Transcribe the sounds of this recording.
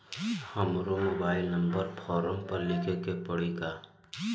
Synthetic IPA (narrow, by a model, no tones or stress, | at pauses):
həmɾomobaːɪlnə̃mbəɾpʰɔːɾəmpɐɾlɪkʰekepəɽiɡaː